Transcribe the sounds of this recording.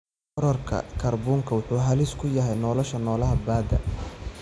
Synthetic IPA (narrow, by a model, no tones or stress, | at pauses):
ɔɾɔrkʰɐ̰kʰɐrbuːŋkʰɐwʊħuːɦɐlɪskʰʊjɐɦɛjnɔːlɔʃɐnɔːlɐɦɐbaːd̪ɐ̰